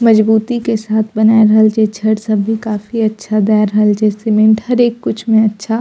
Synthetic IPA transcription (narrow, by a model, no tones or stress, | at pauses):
mɐd͡ʒbuːt̪ikesaːt̪ʰbɐnaːeɾɐɦəld͡ʒɛːt͡ʃʰəɽsɐbʱːikaːfiɐtːʃʰad̪aːɾəɦəld͡ʒɛːsemẽɳʈhɐɾeːkːʊt͡ʃʰmẽɐtːʃʰa